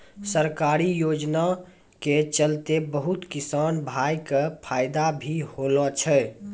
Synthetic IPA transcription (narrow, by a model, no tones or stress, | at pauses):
səɾkaːɾijoːd͡ʒna | ket͡ʃəlt̪ebəɦut̪kisaːnbʱajkəpʰaːɪd̪abʱihoːlɔt͡ʃʰɛ